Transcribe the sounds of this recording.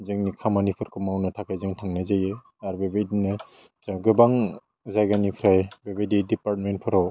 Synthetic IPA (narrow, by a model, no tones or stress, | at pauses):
zɯŋnikʰamanipʰɯɾkʰɯmawnɯtʰakajzɯŋtʰaŋnajzaje | aɾbebajdinaj | zaɡɯbaŋ | zajɡanipʰɾajbebajdidipaɾtment̚pʰɔɾaw